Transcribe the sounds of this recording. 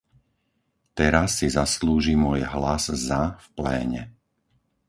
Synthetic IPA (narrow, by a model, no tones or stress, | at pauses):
t̪ɛɾasːizasluːʒimʊɔjɦlazzafplɛ̰ːɲɛ̰